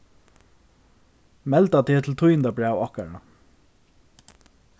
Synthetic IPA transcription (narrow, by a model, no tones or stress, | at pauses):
mɛlt̪at̪ʰeːt̪ʰɪl̩t̪ʰʊjənt̪abɹæːwɔhkaɹa̰